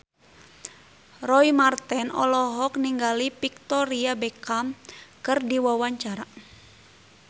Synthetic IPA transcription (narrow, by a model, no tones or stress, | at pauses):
rɔimart̪ɛnɔ̰lɔɦɔkniŋɡalipik̚t̪ɔɾiabɛkamkɨrdiwawaɲt͡ʃaɾa